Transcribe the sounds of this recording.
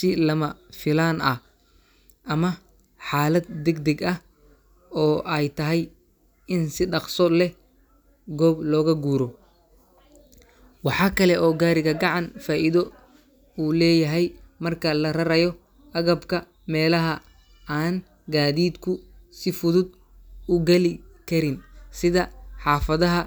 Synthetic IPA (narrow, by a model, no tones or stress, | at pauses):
sɪlɐmɐfɪlaːnɐ̰ | ʔɐmɐ | ħɑːlɐd̪̚d̪ɛɡd̪ɛɡɐh | ɔːʔɛjt̪ʰɐɦɛj | ɪnsɪɖɑqsɔlɛ | ɡɔːblɔːɣɐɡuːɾɔ | wɑħɑːkʰɐlɛʔɔːɡaːɾɪɣɐɡɑʕɑnfaːʔiðɔ | uːlɛːjɐɦɛjmɐrkʰɐlɐrɐɾɐjɔ | ʔɐɣɐbkʰɐ | mɛːlɐɦɐ | aːn | ɡaːðiːd̪kʰʊsɪfʊðʊd̪ | ʊɡɐlɪkʰɐɾɪnsɪðɐħɑːfɐðɐɦɐ